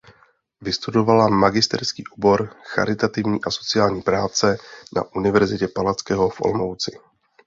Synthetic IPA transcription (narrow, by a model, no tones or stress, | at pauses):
vɪst̪udo̞valamaɡɪst̪ɛ̰ɾskiːʔubo̞ɾxa̰ɾɪt̪at̪ɪvɲiːʔaso̞̥t͡sɪaːlɲiːpɾaːt͡sɛna̰ʔunɪvɛɾzɪcɛpalat͡skɛɦo̞fʔo̞̰lmowt͡sɪ